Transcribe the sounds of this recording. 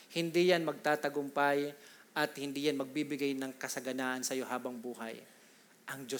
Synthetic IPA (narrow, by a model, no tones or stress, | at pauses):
hɪnd̪ijanmɐɡ̚t̪aːt̪ɐɡʊmpajʔɐt̪̚hɪnd̪ijanmɐɡ̚bibɪɡajnɐŋkɐsɐɡɐnaːʔɐnsɐjo̞ɦaːbɐŋbuːha̰j | ʔɐŋd͡ʒo